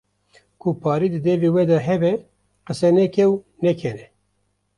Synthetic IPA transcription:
kʰupʰɑːɾiːd̪ɨd̪ɛveːwɛd̪ɛɦɛbɛ | qəsɛnɛkʰɛw | nɛkʰɛnɛ

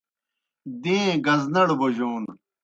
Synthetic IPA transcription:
d̪ẽːɡɐznɐɽboʑoːn

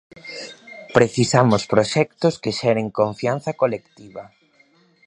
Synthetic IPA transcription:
pɾeθisamʊspɾoʃɛk̚t̪ʊskeʃɛɾeŋkoɱfjanθɐkolekt̪iβɐ

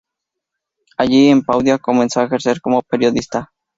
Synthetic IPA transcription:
aʎiempawd̪jakomẽnsoexeɾseɾkomopeɾjoðist̪a

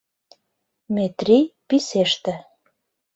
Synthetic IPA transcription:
met̪rʲipiseʃt̪ĕ

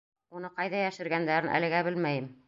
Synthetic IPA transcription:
unɤqɑjðɑjæʃɘ̆ɾɡænd̪æɾɘnʔæ̰lɘ̆ɡæbɘlmæjɘm

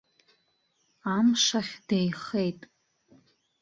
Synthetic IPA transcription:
amʂaχʲd̥ejχejtʼ

